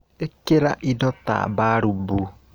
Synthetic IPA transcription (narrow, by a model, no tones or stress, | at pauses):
ekeɾaʔidɔta̰baɾubu